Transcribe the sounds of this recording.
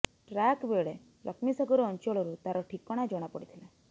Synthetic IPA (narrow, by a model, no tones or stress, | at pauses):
ʈɾakbeɭe | lʔɔkmisɔɡɔɾɔːnt͡ʃɔɭɔɾut̪aɾɔʈʰikɔɽ̃ad͡ʒɔɽ̃apɔɽit̪ʰile